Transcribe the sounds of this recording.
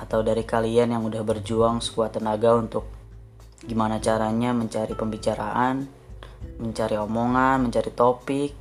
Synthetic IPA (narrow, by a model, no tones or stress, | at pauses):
at̪awdaɾikalianjaŋudahbərd͡ʒuaŋsə̥kuat̪ːənaɡaunt̪ʊk̚ | ɡimanat͡ʃaɾaɲaməɲt͡ʃaɾipəmbit͡ʃaɾaʔan | məɲt͡ʃaɾiomoŋanməɲt͡ʃaɾit̪opɪk̚